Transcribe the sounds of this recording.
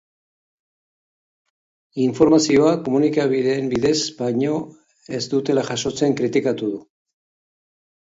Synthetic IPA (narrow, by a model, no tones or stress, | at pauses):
iɱfo̞ɾmasio̞ako̞munikaβiðeːmbiðe̞zbaɲo̞ | e̞zd̪ut̪e̞laʝaso̞t͡se̞ŋkɾit̪ikat̪uðu